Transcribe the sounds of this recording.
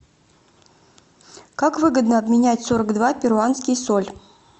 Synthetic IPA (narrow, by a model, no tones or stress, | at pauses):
kakvɨɡəd̪nəɐbmʲɪnʲætʲsoɾəɡd̪vapʲɪɾʊanskʲɪjsolʲ